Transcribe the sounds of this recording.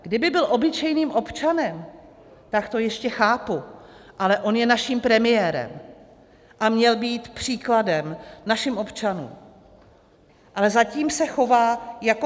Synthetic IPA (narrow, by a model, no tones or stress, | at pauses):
ɡ̥dɪbɪbɪlʔo̞bɪt͡ʃɛjniːmʔo̞pt͡ʃanɛm | t̪akt̪o̞jɛʃcɛxaːpuʔalɛʔo̞njɛnaʃimpɾɛmɪjɛːɾɛ̰m | ʔamɲɛlbiːt̪pr̝̥iːkladɛmnaʃɪmʔo̞pt͡ʃanṵːm | ʔalɛzaciːmsɛxo̞vaːjako